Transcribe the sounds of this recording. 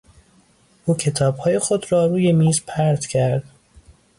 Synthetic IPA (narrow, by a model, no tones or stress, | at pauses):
ʔuːcʰe̞t̪ʰɒːb̥hɒːje̞xod̪ɾɒːɾuːje̞miːzpʰæɾd̪̥cʲʰæɾd̪̥